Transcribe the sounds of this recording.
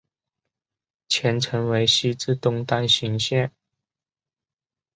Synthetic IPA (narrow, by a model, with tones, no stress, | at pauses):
t͡ɕʰjɛ˧˥nʈ͡ʂʰɤ˧˥ŋwe˧˥ɪɕi˥t͡sɹ̩˥˧t̪ʊ˥˧ŋt̪a˥˧nɕi˧˥˦ŋɕjɛ˥˩n